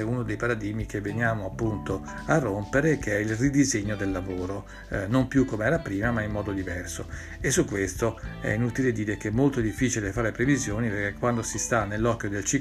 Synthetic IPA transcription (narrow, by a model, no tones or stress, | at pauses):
ɛunod̪ejpaɾad̪imikevːenjaːmoapːunt̪o | arːompeɾekʰeɛilrid̪izeɲːod̪elːavoːɾo | nompjukːomeɛːɾapɾiːmamaimːɔːd̪od̪ivɛrso | esːukːwest̪oɛ̰inut̪iled̪iːɾekeɛmːolt̪od̪ifːiːt͡ʃilefaːɾepɾevizjoːnipeɾkekːwand̪osist̪anːelːɔkːjod̪elt͡ʃi